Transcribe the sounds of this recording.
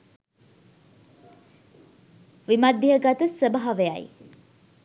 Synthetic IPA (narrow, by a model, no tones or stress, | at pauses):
ʋimad̪ːiɦəɡat̪əsəbaɦaʋejaj